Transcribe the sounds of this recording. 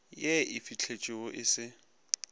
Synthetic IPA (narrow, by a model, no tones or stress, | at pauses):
jeɪfit͡ɬʰet͡ʃʼɪʊʔɪsɪ